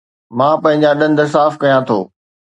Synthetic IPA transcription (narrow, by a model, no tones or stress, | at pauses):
mãːpɐ̃ɦɪ̃ɲd͡ʑaɗɐ̃nd̪əs̬aːfkɐjãt̪ʰo̰ː